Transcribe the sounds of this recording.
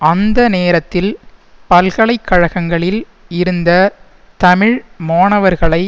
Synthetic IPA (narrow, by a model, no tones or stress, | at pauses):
ɐnd̪ɐneːɾɐt̪ːɪlpɐlɣɐɭɐɪkʰːɐɻɐɣɐŋɡɐɭɪl | ɪɾɯnd̪ɐ | t̪ɐmɪɻmoːɳɐʋɐɾɣɐɭɐɪ